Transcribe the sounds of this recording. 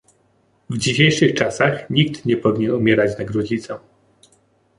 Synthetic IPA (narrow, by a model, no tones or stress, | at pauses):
vd͡ʑiɕejʂɘxt͡ʂasaxɲik̚t̪ɲɛpɔvʲiɲɛnumʲjɛɾat͡ɕnaɡɾɔd͡ʑit̪sɛ